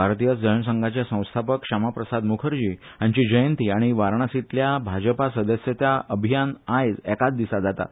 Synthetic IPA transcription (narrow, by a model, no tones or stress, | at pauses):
aɾt̪ijət͡sd͡ʑəɾɳəs̬əŋɡʱat͡ɕjasə̃w̃st̪ʰapəkɕamapɾəsad̪mukʰəɾd͡ʑiː | jaɲt͡ɕid͡ʑəjənt̪iaɽ̃iʋaɾɳ̃asit̪ljabʱad͡ʑəpasəd̪əsjət̪jaʔəbʱijanajd͡zɛkat̪̚d̪isad͡zat̪a̰